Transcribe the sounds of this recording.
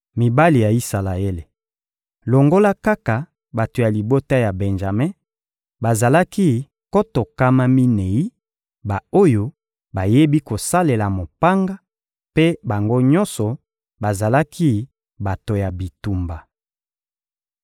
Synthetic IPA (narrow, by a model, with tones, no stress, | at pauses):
mi˨ba˦li˨ja˨i˦sa˨la˨e˦le˨ | lo˨ŋɡo˦la˦ka˦ka˨ | ba˨to˨ja˨li˨bo˦ta˦ja˨bɛ˨nʒa˨me˦ | ba˨za˨la˦ki˦ | ko˦to˨ka˦ma˦mi˦ne˨i˦ | ba˨o˦jo˦ | ba˨je˦bi˦ko˨sa˦le˨la˨mo˨pa˦ŋɡa˦ | pe˦ba˨ŋɡo˦ɲɔ̃˦nsɔ˨ | ba˨za˨la˦kʰi˦ | ba˨to˨ja˨bi˨tu˨mba˨